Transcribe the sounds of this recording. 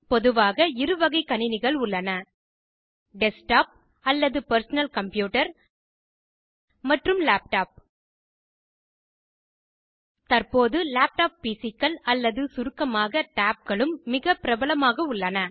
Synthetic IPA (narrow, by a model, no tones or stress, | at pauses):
pɔðɯʋaːɣɐɪɾɯʋɐɣɐɪkːɐnɪnɪɣɐɭʊɭːɐnɐ | ɖɛsʈaːp̚ | ɐlːɐðɯpɐɾsɐnɐlkɐmpjuːʈɐɾ | mɐʈrɯmlaːp̚ʈaːp̚ | t̪ɐrpoːðɯlaːp̚ʈaːp̚ːiːsɪkːɐlɐlːɐðɯsʊɾɯkːɐmaːɣɐʈaːp̚ɡɐɭɯmːɪɣɐpɪɾɐbɐɭɐmaːɣɐʊɭːɐnɐ